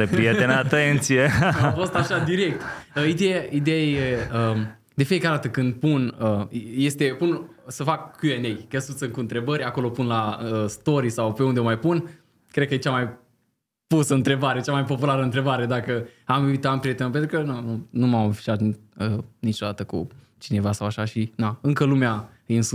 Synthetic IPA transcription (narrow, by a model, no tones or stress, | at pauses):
ɾepɾijet̪enəat̪ent̪sijeafo̞st̪aʃad̪iɾe̞k̚t̪əid̪ejaʔid̪ejajeə | d̪e̞fiekaɾed̪at̪əkɨnd̪̚punəje̞st̪e̞punsəfakkːuenejkesut̪sɨŋkuɨnt̪ɾe̞bəɾʲako̞lo̞punlaəst̪o̞ɾisawpeund̪eomajpun | kɾed̪̚kəjet͡ʃamaj | pusəɨnt̪ɾe̞baɾet͡ʃamajpo̞pulaɾəɨnt̪ɾe̞baɾe̞d̪akəamuvit̪ampɾiet̪epent̪ɾukənununumamfi̥ʃat̪ənit͡ʃo̞d̪at̪əkṵ | t͡ʃine̞vasawaʃaʃinaɨŋkəlumea | ins